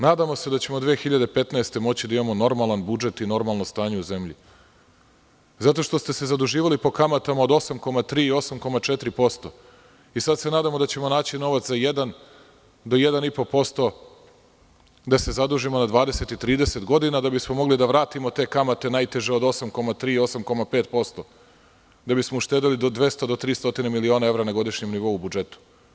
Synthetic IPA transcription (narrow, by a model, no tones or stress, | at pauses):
naːd̪amo̞se̞d̪at͡ɕe̞mo̞d̪ʋeːxiʎad̪e̞pe̞t̪naest̪e̞mo̞t͡ɕid̪aimamo̞no̞ɾmalˠanbud͡ʒe̞t̪ino̞ɾmalˠno̞st̪aːɲe̞uze̞mʎḭ | zat̪o̞ʂt̪o̞st̪e̞se̞zad̪uʒiːʋalipo̞kamat̪amaod̪o̞samko̞mat̪ɾiːio̞samko̞mat͡ʂet̪ɾipo̞st̪o̞ | isad̪senaːd̪amo̞d̪at͡ɕe̞mo̞naːt͡ɕino̞ʋat̪szajed̪an | d̪ojed̪anipo̞po̞st̪o̞ | d̪ase̞zad̪uʒimo̞nad̪ʋaːd̪ese̞t̪it̪ɾiːd̪eset̪ɡo̞d̪inad̪abismomo̞ɡlid̪aʋɾaːt̪imo̞t̪e̞ːkamat̪e̞najt̪e̞ʒeod̪o̞samko̞mat̪ɾiːo̞samko̞mapet̪po̞st̪o̞ | d̪abismouʃt̪eːd̪ilid̪od̪ʋe̞st̪od̪ot̪ɾiːst̪o̞t̪inemilio̞ːnae̞ʋɾanaɡo̞d̪iʃɲemniʋo̞ubud͡ʒe̞t̪u̥